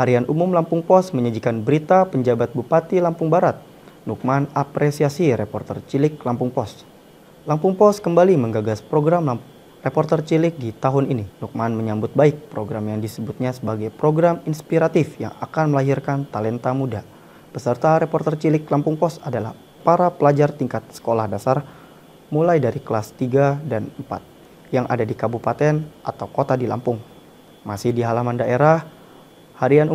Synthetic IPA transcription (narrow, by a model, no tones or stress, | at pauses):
haɾianʔumʊmlampʊŋpɔsməɲəd͡ʒikanbəɾit̪apəɲd͡ʒabat̪̚bupat̪ilampʊŋbaɾat̪̚ | nuk̚manapɾesiasiɾepɔrt̪ərt͡ʃilɪk̚lampʊŋpɔs | lampʊŋpɔskəmbaliməŋɡaɡaspɾoɡɾam | repɔrt̪ərt͡ʃilɪk̚dit̪aɦʊnininuk̚manməɲambʊt̪̚baɪk̚pɾoɡɾamjaŋdisəbut̪̚ɲasəbaɡajpɾoɡɾaminspiɾat̪ɪfja̰ŋa̰kanməlaɦirkant̪alɛnt̪amuda | b̥əsərt̪aɾepɔrt̪ərt͡ʃilɪklampʊŋpɔsadalah | paɾapəlad͡ʒart̪iŋkat̪̚sə̥kolahdasar | mulajdaɾikəlast̪iɡadanəmpa̰t̪̚ | jaŋʔa̰dadikabupat̪ɛnʔa̰t̪awkot̪adila̰mpʊŋ | masɪhdiɦalamandaʔeɾah | haɾianu